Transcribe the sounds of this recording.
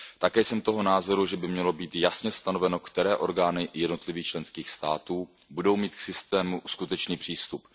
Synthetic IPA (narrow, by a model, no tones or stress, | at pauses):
t̪akɛːsɛmt̪o̞ɦo̞naːzo̞ɾuʒɛbɪmɲɛlo̞biːt̪jasɲɛst̪ano̞vɛno̞kt̪ɛɾɛːʔo̞ɾɡaːnɪjɛdno̞t̪lɪviːxt͡ʃlɛnskiːxst̪aːt̪uː | budo̞wmiːt̪ksɪst̪ɛːmuskut̪ɛt͡ʃniːpr̝̥iːst̪up